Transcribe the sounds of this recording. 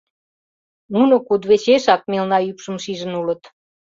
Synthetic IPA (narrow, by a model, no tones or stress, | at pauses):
nunokud̪βet͡ɕeʃɑk̚milnɑjypʃə̆mʃiʒə̆nulə̆t̪